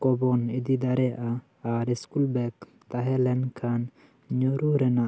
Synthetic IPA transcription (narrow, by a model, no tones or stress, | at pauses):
kɔbɔnid̪id̪aɾɛʔaː | ɾiskulbɛk | t̪aɦɛlɛnkʰan | ɲɔɾuɾɛnaʔ